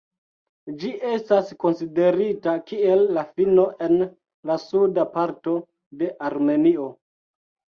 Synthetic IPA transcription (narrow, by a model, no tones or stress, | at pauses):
d͡ʒiʔe̞stasko̞nside̞ɾitakie̞lːafino̞ʔe̞n | lasudapaɾto̞ | de̞ʔaɾme̞nio̞